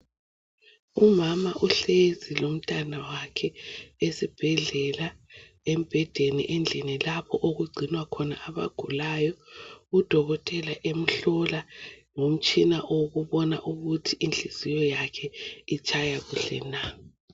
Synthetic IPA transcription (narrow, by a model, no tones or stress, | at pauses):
umamaʔuɬezilom̩tʼanawakʰɛesib̥ʱɛɮɛla | em̩b̥ʱɛd̥ʱenḭʔɛnd͡ɮʱinilapʰɔʔoɣuɡ͡ǀʱinwakʰɔna̰ʔaβa̰ɡ̥ʱulajɔud̥ʱɔɣɔtʼɛlaʔem̩ɬɔlaŋom̩t͡ʃʼinaʔoɣuβɔnaʔuɣutʰiʔinɬiz̥ijɔjakʰɛit͡ʃʼajaɣuɬɛ̰na